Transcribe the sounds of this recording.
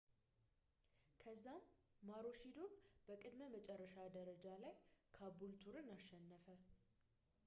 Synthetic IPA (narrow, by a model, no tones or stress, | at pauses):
kʰəzːamːaɾo̞ʃid̪o̞nb̥əkʼɨd̪məmət͡ʃʼɛrːəʃad̪əɾəd͡ʒalajkʰabult̪ʰuɾɨnaʃːɛnːəfə